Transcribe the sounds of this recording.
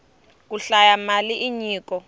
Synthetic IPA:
k̬uɬajamaliʔiɲiːkɔ

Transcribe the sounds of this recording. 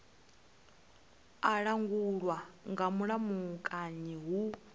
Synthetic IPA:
aɺaŋɡuɺwaŋɡamuɺamukʼaɲiɦu

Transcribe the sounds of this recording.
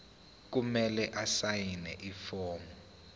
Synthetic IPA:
k̬umɛlɛʔasajinɛ̰ʔifɔːmɔ

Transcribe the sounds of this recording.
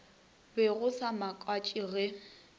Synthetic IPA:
bɪɣʊsamakʼwat͡ʃʼiɣɛ

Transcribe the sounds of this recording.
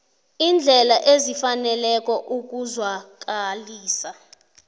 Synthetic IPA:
ind͡ɮʱɛlaʔezifanɛlɛk̬ʼɔʔuk̬uzwak̬aliːsa

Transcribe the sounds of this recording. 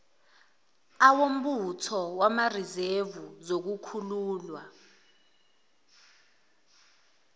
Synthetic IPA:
awom̩ɓutʰɔwamarizevuzok̬ukʰuluːlwa

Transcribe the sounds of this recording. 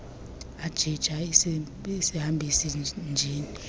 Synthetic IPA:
ad̥ʒ̥ʱid̥ʒ̥ʱa | isihambʱisind͡ʒʱiːni

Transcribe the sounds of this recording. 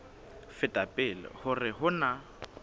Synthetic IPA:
fɛtʼapʼɪlɪ̰hʊrɪɦʊna

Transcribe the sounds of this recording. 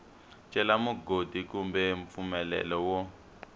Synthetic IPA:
t͡ʃʼɛlamuɡodʱikumbɛɱp̪fumɛlɛ̰lɔwɔ

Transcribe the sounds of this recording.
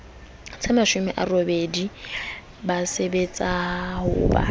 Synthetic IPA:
t͡sʰemaʃʊmɪʔarobedi | basebet͡sʼahʊba̰

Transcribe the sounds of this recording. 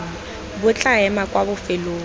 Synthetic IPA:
bʊt͡ɬʼaɛmakʼwabʊfɪloː

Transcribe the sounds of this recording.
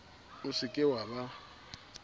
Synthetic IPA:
ʊsɪkʼɪwaba

